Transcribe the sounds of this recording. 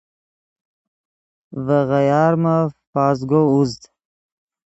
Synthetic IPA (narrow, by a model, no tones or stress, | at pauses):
vəɣajɑːɾmafɑːzɡouzt̪